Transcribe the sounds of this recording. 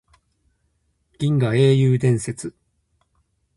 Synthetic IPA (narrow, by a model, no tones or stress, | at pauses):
ɡ̥ʲĩŋɡae̞ːjɯːd̪ẽ̞ɰ̃se̞t͡sɨ